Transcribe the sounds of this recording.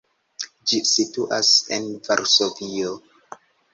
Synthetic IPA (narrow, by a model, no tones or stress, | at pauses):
d͡ʒisituʔasḛnvaɾsovio